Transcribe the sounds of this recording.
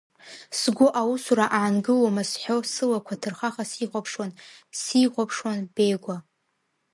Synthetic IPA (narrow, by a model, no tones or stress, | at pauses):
sɡʷʊʔawusuɾaʔaʕanɡɨlomasħosɨlakʷʰatʰɨrχaχasiχʷapʰʂwansiʁʷapʰʂwanbe̞jɡʷa